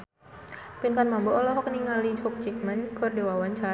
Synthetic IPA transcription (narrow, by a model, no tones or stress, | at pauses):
pinkanmamboʔɔlɔɦɔkniŋalid͡ʒɔk̚t͡ʃik̚mankɔrdewawant͡ʃa